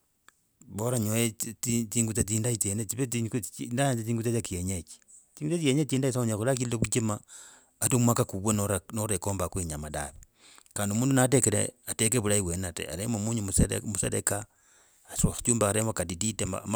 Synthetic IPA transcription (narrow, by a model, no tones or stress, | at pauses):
βoɾaɲoeit͡siːŋɡut͡sat͡siːndait͡sieneiβeiindajet͡siːŋɡut͡sat͡ʃakieɲet͡ʃi̥ | t͡siːŋɡut͡sat͡ʃieɲet͡ʃiːndaisaoɲakulak̬illokut͡ʃimaː | tomakakuβwenoɾanoɾekoːmbakwiɲamada̰βi | kandomuːndunat̬ekeɾḛatek̬eβulaiwenatḛa̰ɾemomuɲumusḛmusḛdḛka | so̥t͡ʃuːmbaɾemakadititema̰m